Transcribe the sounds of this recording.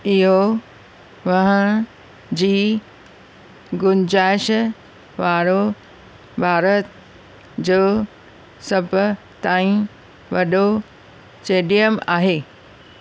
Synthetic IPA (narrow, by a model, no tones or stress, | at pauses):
ɪɦo | ʋɐɦə̃ | d͡ʑiː | ɡʊnd͡ʑaːɪʃə | ʋaːɾo | bʱaːɾət̪ | d͡ʑoː | sɐbʱ | t̪aːĩ | ʋɐɗo | t͡ʃeːɖijəmaːɦeː